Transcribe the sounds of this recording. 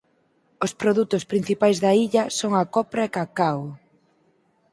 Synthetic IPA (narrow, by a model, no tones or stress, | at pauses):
ospɾoðut̪ʊspɾin̟θipajzðɐiʎɐsoŋakɔpɾɐekakaw